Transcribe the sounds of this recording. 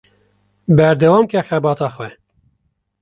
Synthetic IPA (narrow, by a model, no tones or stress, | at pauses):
bɛɾd̪ɛwɑːmkɛxɛbɑːt̪ɑːxwɛ